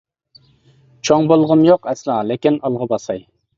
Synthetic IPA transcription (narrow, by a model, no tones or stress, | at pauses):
t͡ʃʰoŋbolˠʁəmjoqɛslˠɑlekʲinɑlˠʁɑbɑsɑj